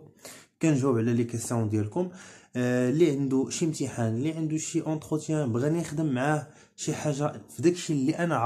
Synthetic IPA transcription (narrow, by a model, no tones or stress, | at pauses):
kænʒuwbʕlælikæsəwd̪jælkʊm | liʕənd̪uʃimt̪iħanliʕənd̪uʃiʔɑ̃t̪χət̪jæ̃bɣænixd̪əmːʕah | ʃiħaʒːafid̪ækʃilːiʔænæʕ